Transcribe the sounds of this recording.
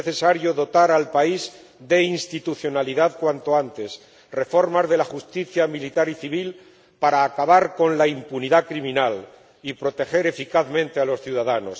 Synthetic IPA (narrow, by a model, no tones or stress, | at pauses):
eθe̞saɾjo̞ðo̞t̪aɾalpaiz | d̪e̞inst̪it̪uθjo̞naliðaðkwant̪o̞ant̪e̞s | re̞fo̞ɾmazðe̞laxust̪iθjamilit̪aɾiθiβ̞il | paɾaːkaβaɾko̞nlaimpuniðakɾimĩnal | ipɾo̞t̪e̞xe̞ɾe̞fikaθmẽnt̪e̞alo̞sθjuðaðano̞s